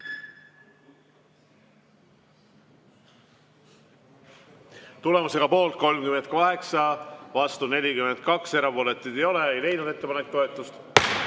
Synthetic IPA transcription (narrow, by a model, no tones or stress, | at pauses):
t̪ule̞muse̞ɡ̥ɑpo̞ːlt̪̚ko̞lmkymen̚koɦe̞ksɑvɑst̪une̞lʲikyme̞nd̪̥̚kɑkse̞ɾɑvoːle̞t̪ːˑid̪̥e̞jo̞leejle̞jnud̪e̞t̪ːe̞pɑnekt̪o̞e̞t̪ːˑust̪